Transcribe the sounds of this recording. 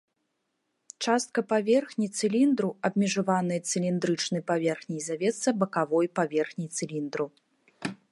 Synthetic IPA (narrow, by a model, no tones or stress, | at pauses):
t͡ʂast̪̚kɐpavʲɛrxnʲit̪sɨlʲind̪ɾuɐb̚mʲɛʐavanɨjɐt̪sɨlʲind̪ɾɨt͡ʂnɨjpavʲɛrxnʲijzavʲɛt̪sɐbɐkavɔjpavʲɛrxnʲijt̪sɨlʲind̪ɾu